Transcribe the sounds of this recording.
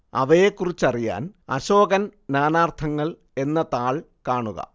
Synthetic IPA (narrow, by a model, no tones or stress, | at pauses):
ɐ̰ʋɐjekːurit͡ɕːɐrija̰ːnɐ̰ɕo̞ːɡɐnnaːnaːrt̪ʰɐŋːɐɭ | e̞nːɐt̪aːɭ | kaːɳuɣɐ̰